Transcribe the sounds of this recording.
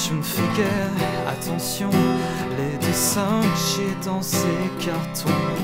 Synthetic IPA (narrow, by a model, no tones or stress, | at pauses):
ʒəməfeɡʲɛʁ | a̰t̪ɑ̃sjɔ̃led̪esɛ̃kəʒed̪ɑ̃sekaʁt̪ʰɔ̃